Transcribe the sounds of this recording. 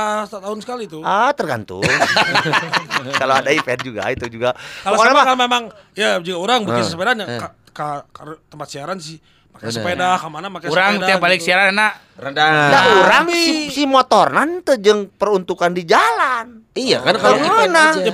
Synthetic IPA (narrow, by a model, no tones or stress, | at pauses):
st̪t̪aunsə̥kalit̪uat̪ərɡa̰nt̪ṵŋ | kaloadaipeɛnd͡ʒuɡa̰it̪ud͡ʒuɡaalakanamakalmemaŋjad͡ʒuɡauɾaŋbət̪isəpedanaka | kakaɾot̪əmpat̪siaɾansɪh | makasəpedakamanamakauɾaŋəiabalɪk̚siaɾananaʔ | ɾədadauɾaŋsihmuat̪ornant̪əd͡ʒəŋpərunt̪ukandid͡ʒalaniakankaana